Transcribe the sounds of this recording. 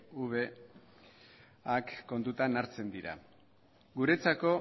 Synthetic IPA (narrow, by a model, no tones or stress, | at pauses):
uβe̞ | akːo̞nt̪ut̪anaɾt͡se̞nd̪iɾa̰ | ɡuɾe̞t͡sako̞